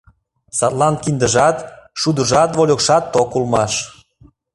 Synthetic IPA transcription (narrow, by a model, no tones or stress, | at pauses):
sɑt̪lˠɑnkind̪əʒɑt̪ʃud̪ə̆ʒɑt̪βolʲokʃɑt̪ːokulmɑʃ